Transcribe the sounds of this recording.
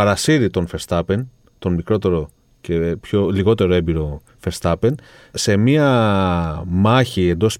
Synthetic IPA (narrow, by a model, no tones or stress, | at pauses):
ɐɾɐsiɾit̪o̞nfe̞st̪ɐpe̞n | t̪o̞nmikɾo̞t̪e̞ɾo̞ | ce̞pço̞liɣo̞t̪e̞ɾo̞e̞biɾo̞ | fe̞st̪ɐpe̞n | se̞miɐ | mɐçie̞nd̪o̞s